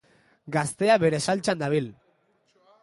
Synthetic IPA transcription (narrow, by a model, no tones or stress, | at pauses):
ɡast̪e̞aβe̞ɾe̞salt͡ʃand̪aβ̞il